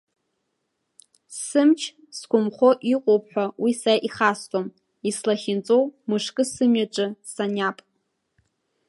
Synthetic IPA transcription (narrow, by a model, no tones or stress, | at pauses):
sɨmt͡ʃʰ | skʷʰʼʊmχʷo̞ʔiqʼowp̚ʰʼħᶣʷawisaaʔiχastʼom | islaχʲɪnt͡sʼowmɨʂkʼɨsɨmɥaʈ͡ʂʼɨsanapʼ